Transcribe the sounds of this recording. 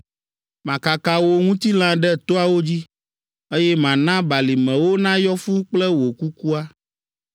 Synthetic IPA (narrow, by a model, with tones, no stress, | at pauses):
mã˨ka˨ka˨wo˨ŋũ˦t̪i˦l̃ã˦ɖɛ˦t̪o˦a˨wo˦d͡ʑi˦ | e˦jɛ˦mã˨nã˦ba˨li˨mɛ̃˨wo˦nã˦jɔ˦fu˦k͡plɛ˦wo˨ku˦ku˦a˦